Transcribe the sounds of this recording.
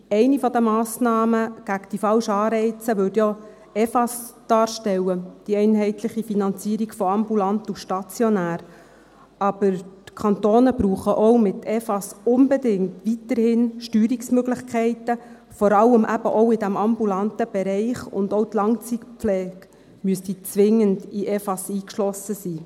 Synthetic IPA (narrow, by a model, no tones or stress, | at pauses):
ɛɪnifɔd̪əmɑːsnɑːməɡ̥ækd̥ifɑlʃɑːɾɛɪt͡səʋɵtjɔ | ɛfɑsd̪̥ɑːɾʃtɛwəd̥iɛɪnɦɛɪt̪ləχifinɑnt͡siːɾiɡfɔɑmbulɑnt̪uʃtɑt͡sjɔnæːɾ | ɑb̥əɾtkʰɑnt̪oːnəbɾuːχəʔɔwmɪt̪ʰɛfɑsʊnbɛdɪŋtʋitəɾhɪnʃtyːɾiksmøɡlɪχkʰɛɪtə | fɔɾɑlːəmʔæb̥əʔɔʊɪdæmɑmbulɑnt̪əb̥ɛɾɛɪχʊ̰ndowt̪lɑŋt͡sikpp͡flɛːɡ | myəstit͡sʋɪŋəndiʔɛfɑsiːkʃlɔsəsiː